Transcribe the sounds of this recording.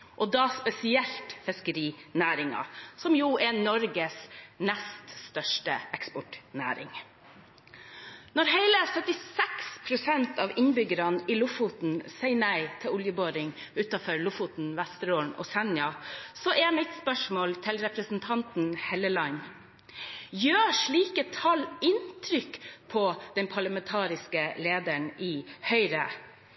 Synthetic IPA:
ʔɔd̪ɑːspɛsɪɛlt̪fɪskəɾiːnæːɾɪŋɑ̰sɔmjuːʔɛnɔɾɡəsnɛst̪st̪œʂʈəɛkspɔʈnæ̰ːɾɪ̰ŋ | nɔɾheɪləsœt̪ɪsɛkspʰɾʊsɛnt̪ɑʋɪnbʏɡəɾɑnilʊfʊt̪n̩sɛɪnæɪt̪ʰɪʊljəboːɾɪŋʉːt̪ɑfɔɾlʊfʊt̪n̩ʋæst̪ɾoːɳɔ̰sɛnjɑsɔʔɛmɪt̪spœʂmoːlt̪ʰɪlɾɛpɾəsn̩t̪ʰɑnt̪n̩hɛləlɑn | jøːʂɭiːkət̪ʰɑlɪnt̪ʰɾʏkpʰɔd̪̥ɛnpʰɑɭɑmɛnt̪ʰɑːɾɪskəleːd̪əɳɪːhœʏɾə̰

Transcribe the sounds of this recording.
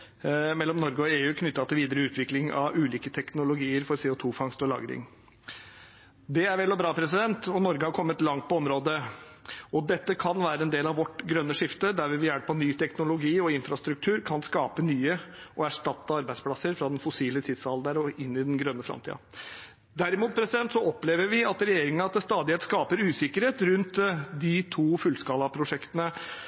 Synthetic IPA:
mɛlːɔmnɔɾɡəɔeːʉːkʰnʏt̪ːɑt̪ʰɪlʋiːd̪əɾəʉːt̪ʰʋɪklɪŋɑ̰ʋʉːliːkət̪ʰɛknʊlʊɡiːəɾfɔɾseːʊt̪ʰuːfɑŋst̪ɔlɑ̰ːɡɾɪ̰ŋ | d̪ɛæɾʋɛlːɔbɾɑːpʰɾɛsɪd̪ɛnt̪ɔnɔɾɡəhɑɾkʰɔmːət̪lɑŋt̪̚pɔɔmɾoːd̪ə | ɔd̪ɛt̪ːəkʰɑnʋæːɾəɛnd̪eːlɑʋʋɔʈɡɾœnːəʂɪft̪əd̪æɾʋɪʋɪjæɽəpʰːɔnyːt̪ʰɛknʊlʊɡiːɔɪnfɾɑst̪ɾʉk̚t̪ʰʉːɾkʰɑnskɑːpənyːəʔɔæʂʈɑt̪ːəɑɾbæɪspʰlɑsəɾfɾɑd̪ɛnfʊsiːlət̪ʰɪd̪sɑld̪əɾɔɪnːɪd̪ɛnɡɾœnːəfɾɑ̰mt̪ʰḭːɑ̰ | d̪æɾɪmuːt̪̚pʰɾɛsɪd̪ɛnt̪sɔɔpleːʋəɾʋɪɑt̪ɾɛjeːɾɪŋənɑt̪̚d̪ɛst̪ɑːd̪ɪheːt̪skɑːpəɾʉːsɪkəɾheːt̪ɾʉnt̪d̪ɪt̪ʰuːfʉlskɑːlɑpʰɾʊʂɛkt̪ənə

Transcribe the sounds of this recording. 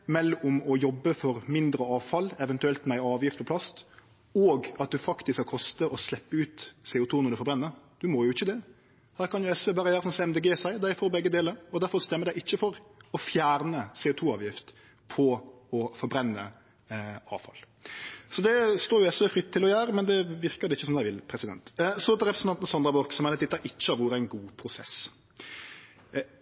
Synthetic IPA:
mɛlʊmɔjɔbːəfɔɾmɪnd̪ɾəɑːʋfɑlɛʋɛnt̪ʉɛlt̪mɛæɪɑːʋjɪft̪pʰɔpʰlɑst̪ | ɔːɡɑt̪̚d̪ʉfɑkt̪ɪskɑkʰɔst̪əʔɔslɛpːəʉːt̪seːʊt̪ʰuːnɔɾɖ̪ʉfɔɾbɾɛnːəɾd̪̥ʉmɔjʊɪçːəd̪ɛ | hæːɾkʰɑnjʊɛsʋeːbɑːɾəjæːɾəsɔmsɛɛmd̪eːɡeːsæɪd̪æɪfɔːɾbɛɡːəd̪eːləɾɔd̪æɾfɔɾst̪ɛmːəd̪æɪɪçːəfɔɾɔfjæːɾnəseːʊːt̪ʰuːɑːʋjɪft̪ | pʰɔ | ɔfɔɾbɾɛnːə̰ | ɑ̰ːʋfɑ̰l | sɔd̪ɛst̪oːɾjʊɛsʋeːfɾɪt̪ʰːɪlɔjæːɾəmɛnd̪ɛʋɪɾkəɾd̪ɛɪçːəsɔmd̪æɪʋɪlpʰɾɛsɪd̪ɛ̰nt̪sɔt̪ɾɛpɾəsn̩ɑnt̪nəsɑnd̪ɾɑbɔɾksɔmɛnæɪt̪ɪt̪ːɑɾʔɪt͡ʃːəɑʋʊʁæɪnɡuːpʰɾʊsɛ̰s

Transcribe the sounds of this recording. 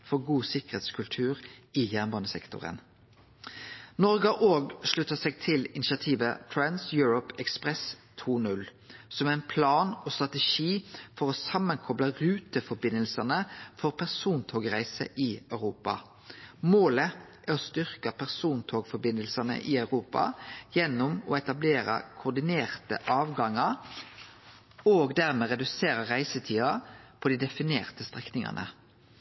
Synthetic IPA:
fɔʁɡuːsɪkəʁheːt̪skʰʉlt̪ʰʉːʁijæːʁnbɑnəsɛ̰kt̪ʊ̰ʁə̰n | nɔʁɡɑʔoːɡʂɭʉt̪ːəsɛɡt̪ʰɪlɪnɪʃɑt̪ʰiːʋət̪ʰɹɛnsjʉːɹɔpɛkspʁɛst̪ʰuːnʉl | sɔmæɪnpʰlɑːnoːst̪ʁɑt̪ɛʃiːfɔʁoːsɑmːənkʰɔbləʁʉːt̪əfɔɾbɪnəlsənəfɔʁpʰæʁsuːnt̪ʰoːɡʁæɪsə̰ʔiœʉʁuːpɑ̰ | moːləʔæʁɔst̪ʏʁkɑpʰæʁsuːnt̪ʰoːɡfɔɾbɪnəlsənə̰ʔɪœʉʁuːpɑ̰jɛnːʊmɔɛt̪ɑbleːɾə̰kʰʊd̪ɪneːʁt̪ə̰ʔɑːʋɡɑŋːɑɾ | oːɡd̪æʁmɛːʁɛd̪ʉseːɾəʁæɪsət̪ʰiːɑpʰɔd̪iːd̪ɛfɪnḛːʁt̪əst̪ʁɛknɪŋɑ̰nə̰

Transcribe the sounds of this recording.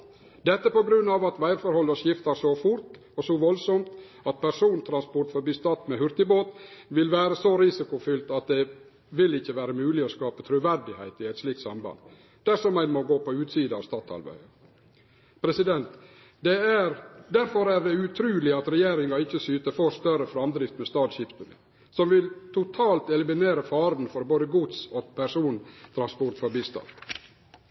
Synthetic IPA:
d̪ɛt̪ːəpɔɡɾʉnːɑːʋɑt̪ʋæɪɾfɔɾhɔlːəʂjɪft̪ɑsɔfʊɾt̪ | ɔsɔʋɔlsɔmt̪ | ɑt̪̚pʰæʂuːnt̪ʰɾɑnspɔɾʈfɔɾbyːst̪ɑt̪ːmehʉɾt̪ɪboːt̪ʋɪlʋæːɾəsɔɾɪsɪkʊfʏlt̪ɑt̪̚d̪ɛ | ʋɪlɪçːəʋæːɾəmʉːlɪɔskɑːpət̪ʰɾʉʋæɾɖɪhæɪt̪ɪæɪt̪sliːk̚t̪sɑmbɑ̰nd̪ | d̪̥æʂɔmæɪnmɔɡoːpʰɔʉːt̪siːd̪əɑ̰ʋst̪ɑːt̪ɑ̰ɾbæ̰ɪə | pʰɾɛsɪd̪ɛnt̪ | d̪ɛæɾd̪æɾfɔɾæɾd̪ɛʉt̪ʰɾʉːlɪɑt̪ɾɛjeːɾɪŋɑɪçːəsyːt̪əfost̪œɾəfɾɑmd̪ɾɪft̪mɛst̪ɑːd̪ɕɪft̪ənə̰ | sɔmʋɪlt̪ʰʊt̪ʰɑːlt̪ɛlɪmɪneːɾəfɑːɾd̪n̩fɔɾboːd̪əɡʊd̪sɔpʰæɾʂuːnt̪ʰɾɑnspɔɾt̪fɔɾbiːst̪ɑ̰nd̪

